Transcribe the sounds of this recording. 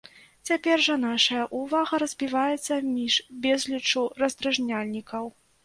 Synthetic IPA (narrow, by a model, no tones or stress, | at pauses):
t͡sʲapʲɛrʐɐnaʂɐjɐʔuvaɣɐɾɐzʲbʲivajɛt̪sːɐmʲiʂbʲɛzlʲit͡ʂurɐzd̪ɾaʐnʲalʲnʲikɐw